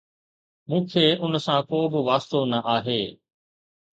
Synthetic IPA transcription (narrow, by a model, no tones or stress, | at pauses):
mũːkʰeːʊnsãkoːbɪʋaːst̪onɐʔaːɦeː